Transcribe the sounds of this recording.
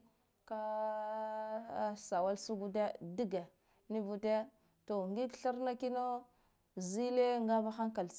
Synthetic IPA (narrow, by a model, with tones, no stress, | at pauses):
ka˦˨ | sa˨wa˦lsu˦ɡu˦de˦di˦ɡa˨ | ni˦vu˦te˦ | to˨ŋɡi˦kɬa˦ɾna˦ki˦no˦ | zi˦le˦ŋɡa˦va˦xa˦ŋka˨l